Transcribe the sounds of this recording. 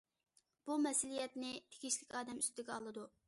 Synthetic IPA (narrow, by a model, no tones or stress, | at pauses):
b̥umɛsɪlijɛt̪nɪt̪ʰe̥ɡʲiʃlɪkʲɑːd̪ɛmyst̪t̪ɪɡʲɛɑlˠɨd̪u